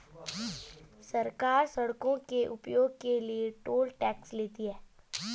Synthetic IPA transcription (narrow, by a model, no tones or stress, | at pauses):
sɐɾkaːɾsɐɽkõkeʔʊpjoːɡ̚kelieʈoːlʈɛːksleːt̪iɦɛː